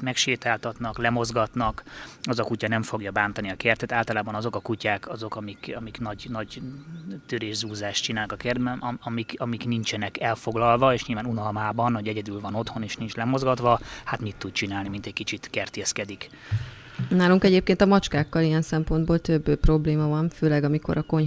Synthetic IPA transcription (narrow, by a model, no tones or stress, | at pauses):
mɛkʃeːt̪aːlt̪ɒt̪nɒklɛmo̞zɡɒt̪nɒkɒzɒkucɒnɛɱfo̞ɡjɒbaːnt̪ɒniɒkɛrt̪ɛt̪aːlt̪ɒlaːbɒnɒzo̞kɒkucaːkɒzo̞kɒmikɒmiknɒɟnɒɟ | t̪øɾeːʒzuːzaːʃtt͡ʃinaːlnkɒkɛrd̪̚bɛnɒɒmikɒmiknint͡ʃɛnɛkɛlfo̞ɡlɒlvɒeːʃɲilvaːnunɒlmaːbɒnɦoɟɛɟɛd̪ylvɒno̞t̪ho̞neːʃnint͡ʃlɛmo̞zɡɒt̪ʋɒhat̪mit̪ːut̪̚t͡ʃinaːlnimint̪ɛcʲkit͡ʃit̪kɛrt̪eskɛd̪ik | naːluŋkɛɟeːp̚keːnt̪ɒmɒt͡ʃkaːkːɒlijɛnsɛmpo̞nd̪boːlt̪øbːpro̞bleːmɒvɒnføːlɛɡɒmiko̞̰ɾɒko̞ɲ